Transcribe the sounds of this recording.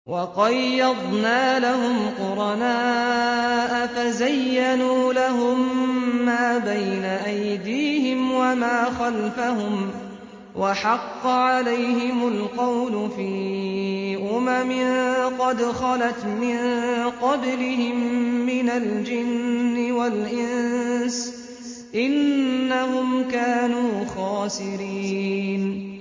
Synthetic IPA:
wʔɑqɑjːɑd̪ˤnaːlahʊmqʊɾˤɑnaː | ʔafazajːanuːlaɦʊmːaːbajnaʔajd̪iːhɪmwamaːxalfaɦʊm | wʔaħɑqːɑʕalajɦɪmʊlqɑwlʊfiː | ʔʊmamɪnqɑd̪xɑlat̪mɪnqɑblɪhɪmːɪnald͡ʒɪnːɪwalʔɪns | ʔɪnːahʊmkaːnuːxaːsɪɾiːn

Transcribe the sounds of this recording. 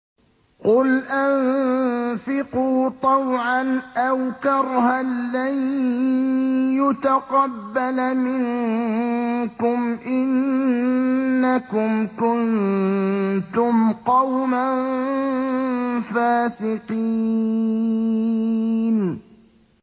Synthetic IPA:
qʊlʔan | fɪquːt̪ˤɑwʕanʔawkɑɾˤhalan | jʊt̪aqɑbːalamɪŋ | kʊmʔɪnnː | akʊmkʊn | t̪ʊmqɑwman | faːsɪqi | n

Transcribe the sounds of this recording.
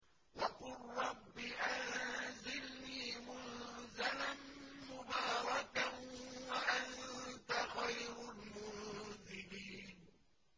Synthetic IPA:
waqʊlːɑbːɪʔanzɪlniːmʊnzalanmʊbaːɾˤɑkawaʔant̪axajɾʊlmʊnzɪliːn

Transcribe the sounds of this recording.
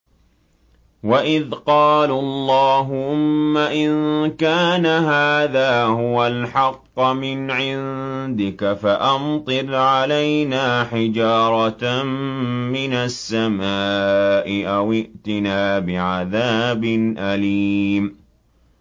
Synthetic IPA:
waʔɪðqɑːlalˤːɑːɦʊʔʊmːaʔɪnkaːnaɦaːðaːhʊwalħɑqːmɪnʕɪnd̪ɪkafaʔɑmt̪ˤɨɾʕalajnaːħɪd͡ʒɑːɾˤɑt̪mːɪnasːamaːʔɪʔawɪʔt̪ɪnaːbɪʕaðaːbɪnʔalim

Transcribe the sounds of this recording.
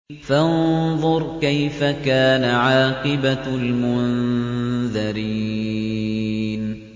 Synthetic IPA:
fanðˤʊɾˤkajfakaːnaʕɑːqɨbalmʊnn | ðaɾiː | n

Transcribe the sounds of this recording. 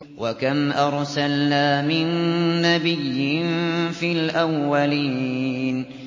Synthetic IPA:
wakamʔɑɾˤsalnaːmɪnːabɪjːɪnfiːlʔawːaliːn

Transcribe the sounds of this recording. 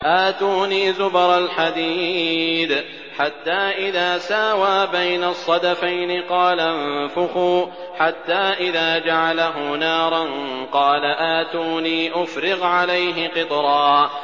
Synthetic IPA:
ʔaːt̪uːniːzʊbɾˤalħad̪iːd̪ | ħat̪ːaːʔɪðaːsaːwaːbajnasˤːɑd̪afajnɪqɑːlanfʊxuː | ħat̪ːaːʔɪðaːd͡ʒaʕalaɦʊnaːɾˤɑnqɑːlaʔaːt̪uːniːʔʊfɾɪɣʕalajɦɪqɨt̪ˤɾˤɑː

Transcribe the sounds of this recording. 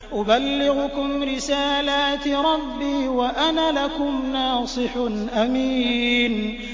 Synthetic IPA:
ʔʊbalːɪɣʊkʊmɾɪsaːlaːt̪ɾˤɑbːiːwaʔanaːlakʊmnɑːsˤɨħʊnʔamiːn

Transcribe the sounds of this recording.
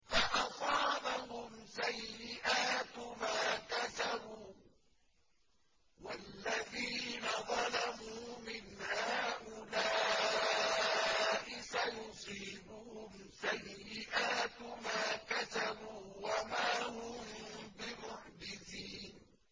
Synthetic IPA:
faʔɑsˤɑːbahʊmsajːɪʔaːt̪maːkat̪abuː | walːaðiːnaðˤɑlamuːmɪnhaːʔʊlaː | ʔɪsajʊsˤiːbʊhʊm | sajːɪʔaːt̪maːkat̪abuːwamaːhʊmbɪmʊħd͡ʒɪθiːn

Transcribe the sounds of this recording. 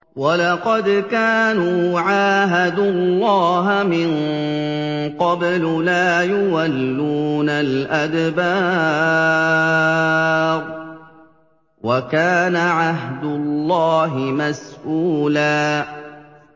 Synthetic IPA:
walɑqɑd̪kaːnuːʕaːɦad̪ʊllːɑːɦmɪn | qɑblʊlaːjʊwalːuːnalʔad̪baː | ɾˤ | wakaːnaʕaɦd̪ʊlːɑːɦɪmasʔuːlaː

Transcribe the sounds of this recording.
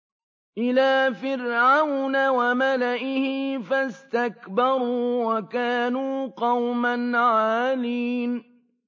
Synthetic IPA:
ʔɪlaːfɪɾʕawnawamalaʔɪhɪfast̪akbɑɾˤuːwakaːnuːqɑwmanʕaːliːn

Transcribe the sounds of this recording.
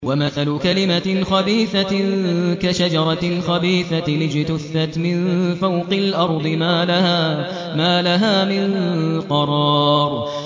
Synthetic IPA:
wamaθalʊkalɪmaxɑbiːθa | kaʃad͡ʒɑɾˤɑxɑbiːθalɪd͡ʒɪt̪ʊθːat̪mɪnfawqɪlʔɑɾˤd̪ˤɨmaːlaha | maːlaɦaːmɪnqɑɾˤɑːɾ

